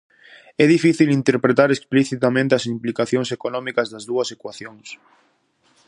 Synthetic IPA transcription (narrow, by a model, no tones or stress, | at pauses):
ɛðifiθilint̪eɾpɾet̪aɾekspliθit̪amẽnt̪eɐsimplikaθjoŋsekonɔmikɐzðɐzðuɐsekwaθjoŋs